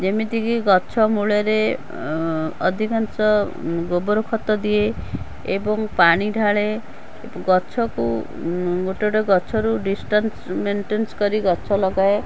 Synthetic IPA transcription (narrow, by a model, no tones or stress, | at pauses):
d͡ʒemit̪ikiɡɔt͡ʃʰɔmuɭaɾe | ɔ̰d̪ʱikɔnsɔ | ɡobɔɾokʰɔt̪ɔd̪ie | ebɔŋpaɽ̃iɖʱaɭe | ɡɔt͡ʃʰɔku | ɡoʈeɽeɡɔt͡ʃʰɔɾuɖisʈansmenʈenskɔɾiɡɔt͡ʃʰɔlɔɡae